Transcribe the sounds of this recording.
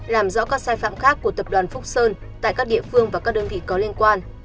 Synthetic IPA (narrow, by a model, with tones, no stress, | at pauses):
laː˨˩mzɔ̰˧˥kaː˦˥k̚saː˧jfa̰ː˧˨mxaː˦˥kːu˧˩ət̪ə˨˩p̚ɗwaː˨˩nfʊ˦˥k͡p̚səː˧n | t̪a̰ː˧˨jkaː˦˥k̚ɗḭ˧˨əfɨ˧əŋvaː˨˩kaː˦˥k̚ɗəː˧nvḭ˧˨kɔ˨˦li˧ənkwaː˧n